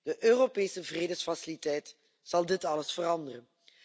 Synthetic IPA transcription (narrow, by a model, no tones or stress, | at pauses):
d̥əʔøːropeːsəvreːdəsfasilitɛjt | z̥ɑlˠdɪtɑləsfərɑndərən